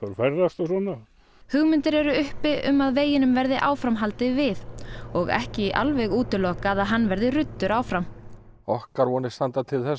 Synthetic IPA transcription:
aɾfɛɾðast̪ɔsɔna | hʏɣmɪnt̪ɪɾɛɾʏʏhpɪʔʏmaðveːjɪnʏmvɛɾðɪʔaːwfɾamɦalt̪ɪvɪðɔɣɛ̰hcɪʔa̰lvɛɣuːt̪ɪlɔːkaðaðɦanːvɛɾðɪrʏt̪ːʏɾaːwfɾam | ɔhkaɾvɔːnɪ̥st̪ant̪at̪ʰɪlθɛs

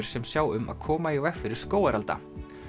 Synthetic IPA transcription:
ɾ̥sɛmsjaːwʏmʔa̰ðkʰɔːmajawɛhkfɪɾɪɾ̥skoːwaɾalt̪a̰

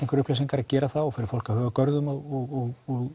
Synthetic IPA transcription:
ẽŋkvʏɾʏhplesiŋkaɾaðcɛːɾaθawɔfɪɾɪɾfowl̥kahœːɣakœɾðʏmɔɔɣɔɣɔɣ

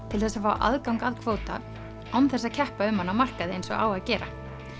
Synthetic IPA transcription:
t̪ʰɪlθɛsːafawʔa̰ðkawŋkaðkʰv̥oːwt̪a̰ | awnθɛs̬ːacʰɛhpaʏmhanːamar̥kaðɪejnsɔ̰ɣa̰ːwaðcɛːɾa̰

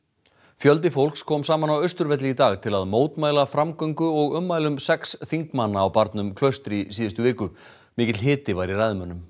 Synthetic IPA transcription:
fjœlt̪̬ɪfowlkskʰɔːmsaːmanawœɥst̪ʏɾvɛt̪lɪit̪aːɣt̪ʰɪlaðmoːwt̪maːjlafɾamkœɥŋkʏɔɣʏmːaːjlʏmsɛksθiŋkmanːaːwpaɾt̪nʏmkʰlœɥst̪ɾisiːðʏst̪ʏvɪːkʏ | mɪːcɪt̪lɦɪːt̪ɪvajɾirajðʏmœnːʏm

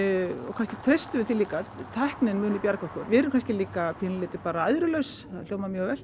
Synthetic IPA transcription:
ɔ̰ɣkʰanscɪt̪ʰɾejst̪ʏɪt̪ʰɪlːiːkat̪ʰahknɪnmʏːnipjaɾkɔhkɔɾvɪɛɾʏmkʰanscɪliːkapʰiːnlɪːt̪ɪpaːɾaajðɾʏlœɥsθaðl̥oːwmamjœːɣvɛl̥

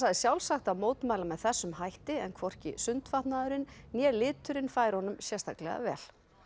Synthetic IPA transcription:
saðɪsjawlsaxt̪amoːwt̪majlamɛðθɛsːʏmhajht̪ɪɛnkʰvɔr̥cɪ̰sʏnt̪faht̪naðʏɾɪnːjɛːlɪːt̪ʏɾɪnfaːjɾhɔnʏmsjɛst̪ʰaklɛ̰ɣa̰vɛ̰ːl̥

